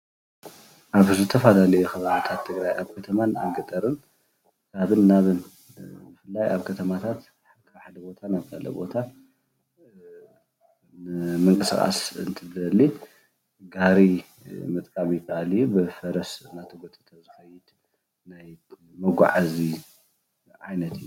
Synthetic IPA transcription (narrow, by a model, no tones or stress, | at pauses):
ʔaβzɨt̪ʰɐfalalɐjuxɐβaβit̪ʰat̪ʰːɨɡɾajaβkʰɐt̪ʰɐmana̰ɡɐt̪ʼɐɾɨn | kʰaβɨnːaβɨn | bɨfɨlːajʔaβkʰɐt̪ʰɐmat̪ʰat̪ | ħakʰʼːħad̪ɐbo̞t̪ʰanaβkʰalɐ̰bo̞̰t̪ʰa | nɨmɨŋkʼɨskʼa̰sɨnt̪ʰɨd̪ɐli | ɡaɾi | mɨt̪ʼkʼamijɪkʰːɐʔalijubɨfɐɾɐsɨnːat̪ʰɐɡot̪ʼːɨ̥t̪ʰazɨxɐjɪt̪ | naj | mɐɡʷa̰ʕazi | ʕa̰jnɐt̪ʰɨjːu